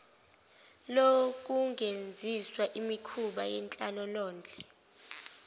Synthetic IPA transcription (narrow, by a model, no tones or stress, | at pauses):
lok̬ʼuŋend͡zʱiswaʔimikʰuɓajɛnt͡ɬʼalɔlɔːnd͡ɮʱʼɛ̥